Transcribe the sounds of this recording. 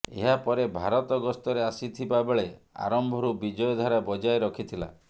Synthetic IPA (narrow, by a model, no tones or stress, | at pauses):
ḛɦapɔɾebʱaɾɔt̪ɔɡɔst̪ɔɾeasit̪ʰibabeɭea̰ɾɔmbʱɔɾubid͡ʒɔjɔd̪ʱaɾabɔd͡ʒajɾɔkʰit̪ʰila̰